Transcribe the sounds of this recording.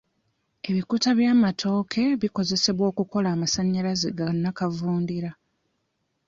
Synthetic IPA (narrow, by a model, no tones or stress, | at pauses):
e̞βikutaβjaːmatʰo̞ːkʰe̞βiko̞ze̞se̞βwo̞ːkuko̞laːmasaɲːalazeɡanːakavuːndiɾa